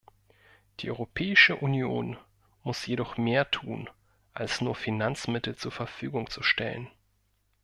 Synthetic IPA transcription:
d̥iːʔɔʏʁopʰɛːɪʃəʔunjoːn | mʊsjedɔχmeːɐtʰuːn | ʔalsnuːɐfinant͡smɪtl̩t͡suːɐfɛɐfyːɡʊŋt͡suʃtɛ̰lə̰n

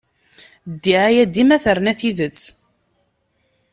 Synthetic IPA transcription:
d̪ːiʕæjæd̪imæθəɾnæθiðət͡sː

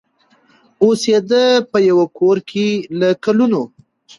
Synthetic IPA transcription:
osed̪əpəjawakʰoɾkʰelakaluno

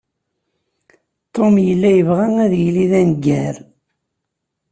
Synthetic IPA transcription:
t̪ːomjəlːæjəvʁæŋæðjəliðænɡːæɾ

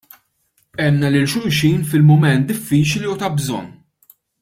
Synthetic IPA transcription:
ɛmnɐlɪlʃʊʔʃiːnfɪlmʊmɛnt̪̚d̪ɪfːiːt͡ʃliʊt̪ɐbzɔ̰nː

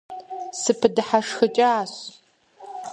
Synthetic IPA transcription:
sɨpʰɨdɨħaʂxɨt͡ʃʼaaːɕ

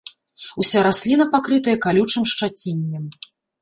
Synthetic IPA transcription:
usʲaɾasʲlʲinɐpakɾɨt̪ɐjɛkalʲut͡ʂɨmʂt͡ʂat͡sʲinʲːɛm

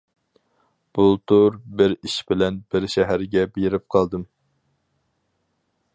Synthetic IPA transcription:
b̥ulˠt̪ʰuɾbɪɾiʃbɪlɛnbɪɾʃɛɦæɾɡʲɛbeɾɪp̚qʰɑlˠd̪ɨm

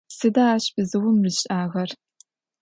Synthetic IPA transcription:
sɨdaaːɕbɨzɨwʊmrɨɕʼaːɣɐr

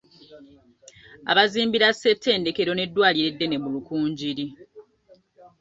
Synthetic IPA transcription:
a̰βaziːmbiɾasːe̞tʰːe̞ːnde̞ke̞ɾo̞ne̞dːwaːliɾe̞dːe̞ne̞mulukuːɲɟiɾi

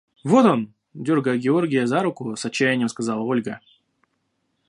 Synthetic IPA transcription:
vo̞t̪o̞n | dʲo̞rɡəjəɡʲɪo̞rɡʲɪjəzaɾʊkʊsɐt͡ɕːæjɪnʲːjəmskɐzɑlˠəo̞lʲɡə

